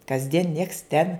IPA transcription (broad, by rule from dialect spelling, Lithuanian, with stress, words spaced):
kɐzʲˈdʲiɛn nʲiɛks tʲɛn